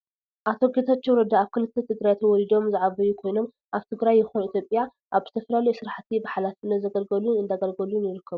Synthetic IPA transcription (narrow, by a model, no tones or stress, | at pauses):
ʔat̪ʰo̞ɡet̪ʰat͡ʃːɛɾɐd̪aaβkʰɨlɨt̪ʰːɐt̪ʰɨɡɾajat̪ʰwɔlid̪o̞mzɨʕaβɐjukʰo̞jno̞m | ʔaβt̪ʰɨɡɾajːɪxonit̪jo̞pʼja | ʔaβzɨt̪ʰɐfɐlalɐjsɨɾaħt̪ʰibaħalat̪ɨnːɐzɐɡɐlɡɐlunɨnd̪aɡɐlɡɐlunjɪɾɨkʰːɐβu